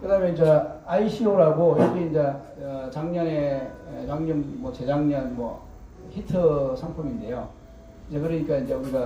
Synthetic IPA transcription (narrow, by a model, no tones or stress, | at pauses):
kɯdamjʌind͡ʑeaiɕʰioɾaɡojokʰiind͡ʑe | t͡ɕaŋɲʌnejaŋɲɯmːʌt͡ɕe̞d͡ʑaŋɲʌnmwʌ̰ | çitʰɯsʰaŋpʰʌmind̪e̞jo | ind͡ʑe̞kɯɾʌɲik͈aind͡ʑe̞uɾiɡa